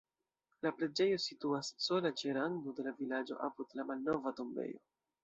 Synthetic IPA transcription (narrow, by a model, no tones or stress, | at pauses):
lapɾe̞d͡ʒe̞jo̞situasːo̞lat͡ʃeɾaŋdode̞lavilad͡ʒo̞̰ʔapudlamalno̞vato̞mbe̞̰jo̞̰